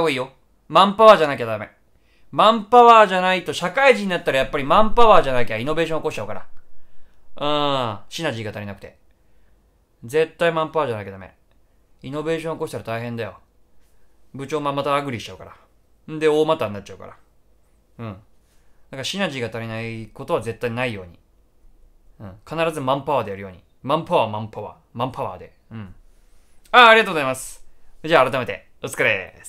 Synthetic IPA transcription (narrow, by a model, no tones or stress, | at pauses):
oiːjo̞ | mãmpaβaːʑanaikʲad̪amḛ | mãmpaβaːʑanait̪o̞ɕakaiʑiɲ̟inat̪ːaɾajapːaɾʲimãmpaβaːʑanaikʲaino̞be̞ːɕõːoko̞ɕi̥t͡ɕaɯ̟kaɾa̰ | ɯ̃ːɕinaʑiːɡat̪aɾʲinakɯ̟̥t̪e̞̰ | d͡ze̞t̪ːaimãmpaβaːd͡ʑanaikad̪amḛ | ino̞be̞ːɕõoko̞ɕi̥t̪aɾat̪aihẽ̞nd̪ajo̞̰ | bɯ̟t͡ɕo̞ːmamːat̪aːɡɯ̟ɾʲiɕi̥t͡ɕaɯ̟kaɾa | d̪e̞oːmat̪aːnːat͡ɕ̚ːt͡ɕaɯ̟ka̰ɾa̰ | ɯ̟̃ɴ | d̪aŋkaɕinaʑiːɡat̪aɾʲinaiko̞t̪o̞β̞aze̞t̪ːainaijo̞ːɲ̟ḭ | ɯ̟̃ɴkʰanaɾazɨmãmpaβaːd̪ejaɾɯ̟jo̞ːɲ̟ḭ | mãmpaβamãmpaβa̰ː | mãmpaβa̰ːd̪e̞ | ɯ̟̃ɴ | aːɾiɡat̪oozaimasɨ̥d͡ʑaːɾat̪ame̞t̪e̞̰ | ɯt͡sɨ̥kaɾes